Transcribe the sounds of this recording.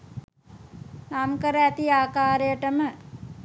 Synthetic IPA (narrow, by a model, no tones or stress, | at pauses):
namkəɾəæt̪iaːkaːɾejəʈəmə